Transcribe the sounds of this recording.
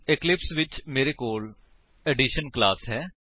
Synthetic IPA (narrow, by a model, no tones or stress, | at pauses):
ɪklɪpsʋɪt͡ʃmeːɾekoːl | ɛɖiʃənklaːsɦɛː